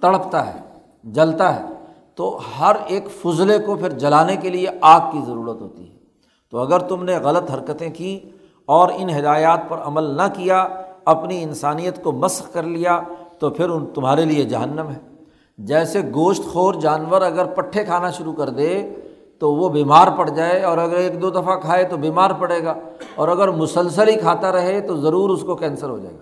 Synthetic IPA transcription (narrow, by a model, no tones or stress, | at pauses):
t̪ɐɽəpt̪aɦɛ̰ː | d͡ʒɐlt̪aɦɛ̰ː | t̪ohɐɾeːkfʊzlekopʰɪɾd͡ʒɐlaːnekelieʔaːk̚kizɐɾuːɾət̪ɦo̰ːt̪ḭɦɛː | t̪oɐɡəɾt̪ʊmneɣɐlət̪ɦɐɾkət̪ẽkĩ | ɔːɾɪnɦɪd̪aːjaːt̪̚pɐɾɐməlnɐkijaɐpniɪ̃nsaːnijət̪komɐsxkɐɾlijat̪opʰɪɾʊnt̪ʊmɦaːɾelied͡ʒɐɦənːəmɦɛː | d͡ʒɛːseɡoːʃt̪xoːɾd͡ʒaːnʋəɾɐɡəɾpɐʈʰːekʰaːnaʃʊɾukɐɾd̪e | t̪oʋobiːmaːɾpɐɽ̤d͡ʒaːeɔːɾɐɡəɾeːk̚d̪oːd̪ɐfakʰaːet̪obiːmaːɾpɐɽeːɡaː | ɔːɾɐɡəɾmʊsəlsəlɦikʰaːt̪aɾɐɦet̪ozɐɾuːɾʊskokɛ̃ːnsəɾɦo̰d͡ʒa̰ːḛɡaː